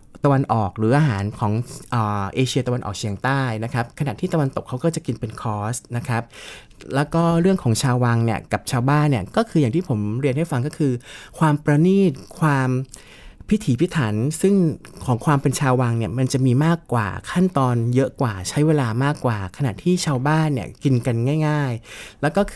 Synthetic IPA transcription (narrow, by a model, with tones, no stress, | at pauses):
t̪a˧wa˧nʔɔː˨˩k̚ɾɯː˩˦ʔaː˧ɦaː˩˦nkʰɔː˩˦ŋʔəː˨˩ʔeː˧t͡ɕʰi˧ət̪a˧wa˧nʔɔ̰ː˨˩k̚t͡ɕʰi˧əŋt̪aː˥˩jna˦˥kʰa˦˥p̚kʰa˧na̰˨˩ʔt̪ʰiː˥˩t̪a˧wa˧nt̪o˨˩kʰːa˦˥wkɔː˥˩t͡ɕa˨˩ki˧npe˧nkʰɔː˦˥sna˦˥kʰa˦˥p̚ | lɛː˦˥wkɔː˥˩ɾɯ˥˩əŋkʰɔː˩˦ŋt͡ɕʰaː˧wa˧ŋni˥˩ɐka˨˩p̚t͡ɕʰaː˧wbaː˥˩nːi˥˩ɐkɔː˥˩kʰɯː˧jaː˨˩ŋt̪ʰiː˥˩pʰo˩˦mɾi˧ənha˥˩jfa˧ŋkɔː˥˩kʰɯː˧kʰwaː˧mpɾa˧niː˥˩t̪̚kʰwaː˧m | pʰi˦˥t̪ʰiː˩˦pʰi˦˥t̪ʰa˩˦nsɯ˥˩ŋkʰɔː˩˦ŋkʰwaː˧mpe˧nt͡ɕʰaː˧wa˧ŋni˥˩ɐma˧nt͡ɕa˨˩ʔmiː˧maː˥˩kːwa̰ː˨˩kʰa˥˩nt̪ɔː˧njɤ˦˥ʔkwaː˨˩t͡ɕʰa˦˥jweː˧laː˧maː˥˩kːwaː˨˩kʰa˧na̰˨˩ʔt̪ʰiː˥˩t͡ɕʰaː˧wbaː˥˩nːi˦˥˩ɐki˧nka˧nŋaː˥˩jŋaː˥˩jlɛː˦˥wkɔː˥˩kʰ